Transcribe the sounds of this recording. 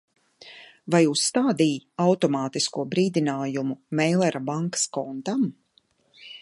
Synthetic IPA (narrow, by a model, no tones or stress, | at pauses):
vajuːsːt̪aːd̪iːawt̪ɔmaːt̪iskuɔbɾiːd̪inaːjumumɛjlˠɛɾabaŋkḁskɔnt̪am